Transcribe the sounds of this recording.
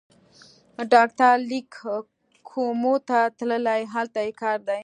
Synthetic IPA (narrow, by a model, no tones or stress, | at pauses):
ɖɑk̚ʈ̪aɾlik | kʰomot̪at̪ləlajɦalt̪ajekɑɾd̪aj